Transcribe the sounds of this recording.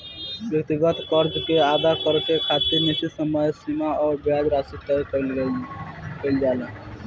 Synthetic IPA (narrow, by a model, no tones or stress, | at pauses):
bjək̚t̪iɡət̪kəɾd͡ʒkead̪akəɾkekʰat̪iɾnesisəməjsimaɔɾbjad͡ʒɾasit̪əjkəɪlɡe | kəɪld͡ʒale